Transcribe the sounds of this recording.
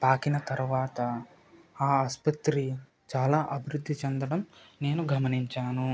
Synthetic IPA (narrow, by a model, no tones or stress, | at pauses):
paːkinɐt̪ɐɾuʋaːt̪ɐ | aːɐspɐt̪ɾi | t͡ʃaːlaːʔɐbʱiɾud̪ʱːit͡ʃɛnd̪ɐɽɐmne̞ːnuɡɐmɐniɲt͡ʃaːnu